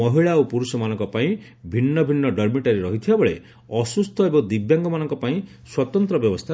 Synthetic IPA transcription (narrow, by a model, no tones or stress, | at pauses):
ɔɦiɭaopuɾusɔmanɔŋkɔpaĩ | bʱinːɔbʱinːɔɖʌɾmiʈaɾiɾɔɦit̪ʰibabɔɭe | ɔsust̪ʰɔebɔŋd̪ibjaŋɡɔmanɔŋkɔpaĩ | swɔt̪ɔnt̪ɾɔbjɔbɔst̪ʰa